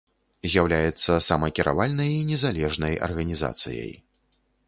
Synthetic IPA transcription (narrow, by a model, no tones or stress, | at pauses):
zʲjawlʲajɛt̪sːɐsamɐkʲiɾʔa̰valʲnɐjinʲɛzalʲɛʐnɐjɐ̰rɣɐnʲiza̰t̪sɨ̰jɐ̰j